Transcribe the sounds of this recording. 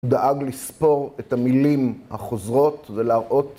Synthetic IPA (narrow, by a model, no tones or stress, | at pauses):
d̪aʔaɡlispo̞ʁethamilimhaχozʁo̞tveleaʁʔo̞t